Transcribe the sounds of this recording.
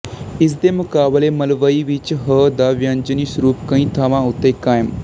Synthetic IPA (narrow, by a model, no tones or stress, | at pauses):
is̬d̪emukaːbleməlʋəiʋiːt͡ʃɦəd̪aʋjãnd͡ʑəniːsuɾuːpkə̃ɦĩːt̪ʰaʋãut̪ekaːjm